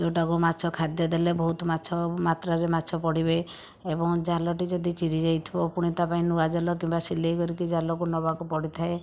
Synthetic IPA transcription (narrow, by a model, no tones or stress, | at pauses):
ewʈakumat͡ʃʰɔkʰad̪jɔd̪elebɔɦut̪ɔmat͡ʃʰɔmat̪ɾaɾemat͡ʃʰɔpɔɽibe | ebɔŋd͡ʒalɔʈid͡ʒɔd̪ʱit͡ʃiɾid͡ʒajt̪ʰibɔpuɽ̃it̪apaĩnuad͡ʒalɔkimbasilekɔɾikid͡ʒalɔkunɔbakupɔɽit̪ʰae